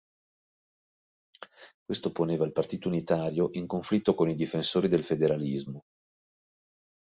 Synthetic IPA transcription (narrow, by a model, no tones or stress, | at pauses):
kwest̪oponeːvailpart̪iːt̪ounit̪aːɾjoʔiŋkoɱflit̪ːokonid̪ifensoːɾid̪elfed̪eɾalizmo